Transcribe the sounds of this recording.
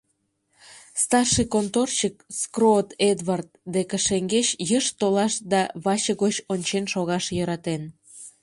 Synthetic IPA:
st̪ɑrʃikont̪ort͡ɕək̚skrot̪ed̪βɑrt̪̚d̪ekə̆ʃeŋɡeɕjəʃt̪olɑʃd̪ɑβɑt͡ɕəɣot͡ɕonʲt͡ɕenʃoɣɑʃjøɾɑt̪en

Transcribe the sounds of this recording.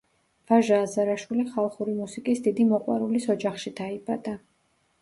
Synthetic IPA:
v̥aʒaːzaɾaʃwiliχalˠχuɾimusikʼisd̪id̪imɔqʼwa̰ɾulisɔd͡ʒaχʃid̪aibad̪a

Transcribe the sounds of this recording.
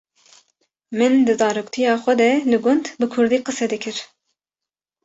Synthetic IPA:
mɨnd̪ɨzɑːɾukt̪ʰijɑːxʷɛd̪ɛlɨɡʊnd̪bɨkʰʊɾd̪iːqɨsɛd̪ɨkʰɨɾ

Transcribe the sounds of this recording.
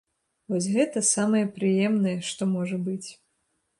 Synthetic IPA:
vɔsʲɣɛt̪ɐsamɐjɛpɾɨjɛmnɐjɛʂt̪ɔmɔʐɐbɨt͡sʲ

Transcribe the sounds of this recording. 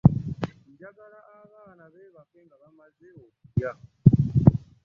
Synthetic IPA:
nd͡ʒakalaʔaβaːnaβɛβafɛŋɡaβamazɛoja

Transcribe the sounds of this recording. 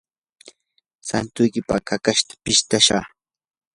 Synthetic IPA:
sant̪ʊjkɪpakakaʃt̪ḁpɪʃt̪aʃa̰

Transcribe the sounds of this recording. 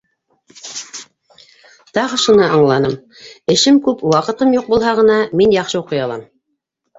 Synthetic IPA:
t̪ɑʁɤ̆ʃɤ̆nɤʔɑɴlˠɑnɤm | ɘ̆ʃɘmkʉpwɑqɤ̆t̪ɤmjuq̚bulˠɦɑʁɤ̆nɑminjɑχʃɤuqɤ̆jɑlˠɑ̰m

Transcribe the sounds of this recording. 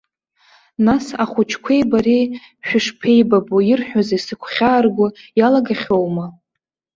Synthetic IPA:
nasaχʷʊt͡ʃʰkʷʰe̞jbaɾi | ʃᶣʊʂpʰe̞jbabujɪrħᶣazaisɨkʷʰχʲaːrɡʷʊjalaɡaχʲo̞wma

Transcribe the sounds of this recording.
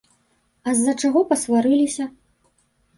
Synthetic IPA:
ɐzːɐt͡ʂaɣɔpɐsvaɾɨlʲisʲɐ

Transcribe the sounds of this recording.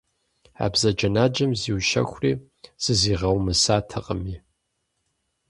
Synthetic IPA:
a̰ːbzɐd͡ʒɐnaːd͡ʒɐmziwʃɐ̰xʷriː | z̥ɨziːʁɐwmɨsaːtʰɐqʼəmiː

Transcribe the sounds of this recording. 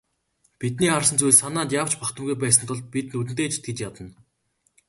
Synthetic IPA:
pit̪niːarsə̆nt͡sujɮsanaːnt̪jaw̥t͡ɕpakt̪ə̆mɣujp̬æːs̬ə̆nt̪ʰʊɮt̪̚pit̪̚nut̪ɘ̆nt̪eːt͡ɕt̪̚ʰɡet͡ɕjat̪ə̆n

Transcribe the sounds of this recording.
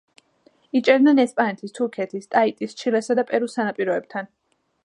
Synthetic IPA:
it͡ʃʼɛdnɛnɛspʼanɛt̪ʰist̪ʰuɾkʰɛt̪ʰist̪ʼait̪ʼist͡ʃʰilɛsad̪apʼɛɾusanapʼiɾɔɛb̥̚t̪ʰan

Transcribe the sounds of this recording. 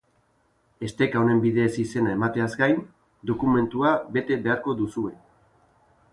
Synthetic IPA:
e̞st̪e̞kaone̞mbiðe̞sise̞nae̞mat̪e̞azɡajn | d̪o̞kume̞nt̪uaβe̞t̪e̞βe̞aɾko̞ðusue̞

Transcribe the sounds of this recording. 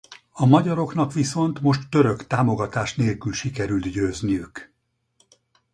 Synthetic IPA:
ɒmɒɟɒɾo̞kn̪ɒkʋiso̞nt̪mo̞ʃt̪ːø̞ɾøkt̪aːmo̞ɡɒt̪aːʃneːlkylʃikɛɾylt̪ɟøːznijyk

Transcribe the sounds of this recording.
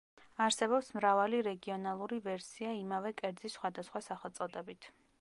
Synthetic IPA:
aɾsɛbɔpsmɾavaliɾɛɡiɔnalˠuɾivɛɾsiaimavɛkʼɛɾd̪zisːχwad̪asχwasaχɛlˠt̪sʼɔd̪ɛbit̪ʰ

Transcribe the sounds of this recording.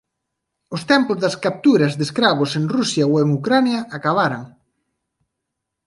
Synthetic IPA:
ʊst̪ɛmpʊzðɐskap̚t̪uɾɐzðeskɾaβ̞ʊseŋrusjɐoweŋukɾanjɐakaβaɾaŋ

